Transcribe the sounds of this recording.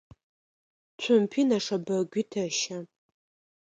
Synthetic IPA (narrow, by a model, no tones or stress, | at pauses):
t͡ɕʷʰʊmpʰiːnɐʂɐbɐɡʷitʰɐʃɐ